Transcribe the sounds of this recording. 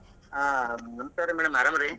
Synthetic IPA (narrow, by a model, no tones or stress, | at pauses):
anɐmsaːɾemɛːɽɐmɐɾaːmɐɾe